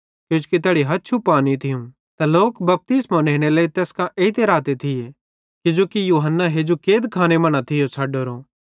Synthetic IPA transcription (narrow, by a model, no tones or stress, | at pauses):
kjõːt͡ʃkit̪̬ɛːɽiɦɐt͡ʃʰupːaːnit̪ʰɪjũ | t̪aloːkbɐp̚t̪ɪsmãnẽːɽ̃elaːit̪ɛːskãʔeːit̪eɾaːt̪et̪ʰɪje | kɪd͡ʒoːkijuːɦənːaɦeːd͡ʒokeːd̪kʰaːñemɐɽ̃at̪ʰɪjot͡sʰaːɖoːɾoː